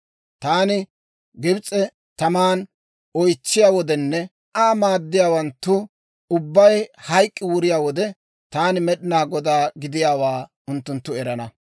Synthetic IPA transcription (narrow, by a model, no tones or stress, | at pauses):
t̪aːnɪ | ɡɪbt͡sʼːɛ | t̪ɐmaːn | ɔjt͡ʃːɪjaːwɔd̪ɛnːɛ | ʔaːmaːd̪ːɪjaːwɐnt̪ːʊ | ʊbːɐjhɐjkʼːɪwʊɾɪjaːwɔd̪ɛ | t̪aːnɪmɛɗɪnaːɡɔd̪aːɡɪd̪ɪjaːwaː | ʊnt̪ːʊnt̪ːʊɛɾɐnɐ